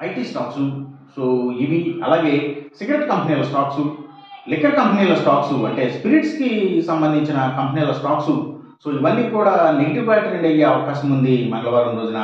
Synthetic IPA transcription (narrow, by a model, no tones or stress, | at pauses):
ɐjʈiːsʈaːksu | soːiʋiɐ̰laːɡe̞ːsiɡɾeʈkɐmpɐniːlɐsʈaːksu | likːɐɾkɐmpɐniːlɐsʈaːksuɐ̰ɳʈe̞ːspiɾiʈskisɐmbɐnd̪ʱiɲt͡ʃinɐkɐmpɐniːlɐsʈaːksu | so̞ːiʋɐnːiːkuːɽaːneɡʈibaːjʈɐɾeɳɖɐjeːɐʋɐkaːɕɐmund̪imɐŋɡɐlɐʋaːɾund̪oːd͡ʒ̪inɐ